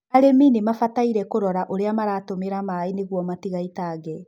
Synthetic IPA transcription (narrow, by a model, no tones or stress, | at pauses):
aɾeminimafataiɾɛkoɾɔɾaʔoɾeamaɾaːtomeɾamaɾaineɣwɔmatiɣaitaːɡɛ